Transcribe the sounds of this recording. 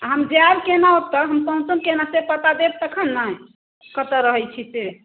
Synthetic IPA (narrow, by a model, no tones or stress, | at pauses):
ɦəmd͡ʒeaɾkenaot̪əɦəmpəɦũt͡ʃənkenasepət̪ad̪eb̚t̪əkʰənːa | kət̪əɾəɦət͡ʃʰise